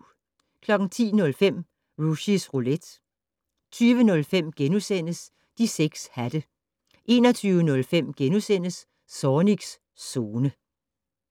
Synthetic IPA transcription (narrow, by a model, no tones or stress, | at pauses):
kʰlɒ̽ɡ̥ŋ̩t͡sʰḭːnɔ̽lfem̰ | ʁuɕisʁoled̥ | t͡sʰyːʋənɔ̽lfem̰ɡ̥enusen̰əs | d̥iseɡ̥shæd̥ə | ʔe̝̰ːnɒt͡sʰyːʊənɔ̽lfem̰ɡ̥enusen̰əs | sɒːniɡ̥sː | o̝ːnə